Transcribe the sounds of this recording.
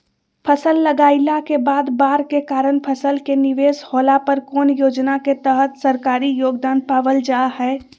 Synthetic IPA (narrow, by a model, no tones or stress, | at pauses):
pʰəsəlːəɡaːɪlakebaːd̪baːɾkekaːɾənpʰəsəlkeniʋesholapəɾkoːnjoːd͡ʒnaket̪əɦət̪səɾkaːɾijoːɡd̪aːnpaʋəld͡ʒaɦɛː